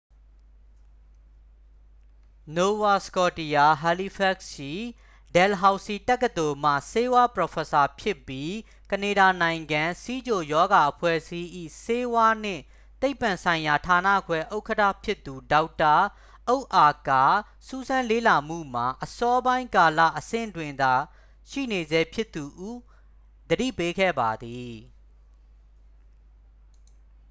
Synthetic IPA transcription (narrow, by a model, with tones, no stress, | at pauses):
no˨wa˦skɔ˦˨ti˨ja˨ɦa˨li˦pʰɛ˦˨kʃi˦˨ | dɛ˨lɦa˨ʊsi˨tɛ˦kːə˨d̪o˨m̥ä̰˦˨se˦wa˦pəɹɔ˨fʰɛ˨sa˨pʰjɪ˦pːji˦ | kə˨ne˨ɾa˨nã˨ɪ̃ŋɡã˨si˦d͡ʑo˨jɔ˦ɡa˨ʔəpʰwɛ̰˦˨si˦ʔḭ˦˨se˦wa˦n̥ɪ̰̃˦˨ | t̪e˦ɪpːã˨nsʰã˨ɪ̃ja˨tʰa˨nä̰˦˨kwɛ˦ʔo˦ʊkʰətʰä̰˦˨pʰjɪ˦t̪ːu˨da˦ʊtːa˨ | ʔo˦ʊʔa˨ka˨ | su˦zʰã˦lḛ˦˨la˨m̥ṵ˦˨m̥a˨ʔəsɔ˦bã˦ɪ̃ŋka˨la̰˦˨ʔəsɪ̰̃˦˨ndwɪ̃˨nd̪a˨ | ʃḭ˦˨ne˨zɛ˦pʰjɪ˦t̪ːu˨ʔu˦˨ | d̪̥əɾḭ˦˨pe˦ɡɛ̰˦˨ba˨d̪i˨